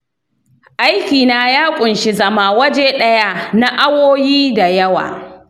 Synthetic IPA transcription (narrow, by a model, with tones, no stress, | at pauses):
ʔa˦jkʲiː˨naː˦jaː˦kʷʼʊ˨nʃi˦zɐ˦maː˨wɐ˦d͡ʒe˦ɗɐ˦ja˦na˦ʔa˦woː˦jiː˦da˨jɐ˦wa̰ː˨